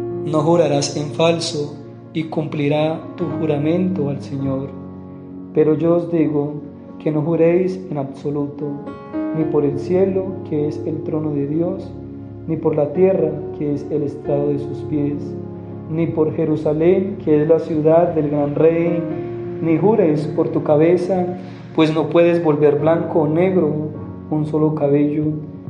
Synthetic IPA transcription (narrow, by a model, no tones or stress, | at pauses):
no̞xuɾaɾase̞ɱfalso | ikumpliɾat̪uxuɾamẽ̞nt̪oalse̞ɲo̞ɾ | pe̞ɾo̞d͡ʒo̞ozd̪iɣo | kʰe̞no̞xuɾe̞jsenaβso̞lut̪o | nipo̞ɾe̞lsje̞lo̞kʰee̞se̞lt̪ɾo̞no̞ðe̞ðjo̞s | nipo̞ɾlat̪je̞rakʰeese̞lest̪ɾaðoðe̞suspje̞s | nipo̞ɾxe̞ɾusale̞ŋkʰeezlasjuðaðːe̞lɡɾanre̞j | nixuɾe̞spo̞ɾt̪ukaβe̞sa | pwe̞sno̞pwe̞ðe̞zbo̞lbe̞ɾblaŋkoːne̞ɣɾo | unso̞lo̞kaβe̞ʝo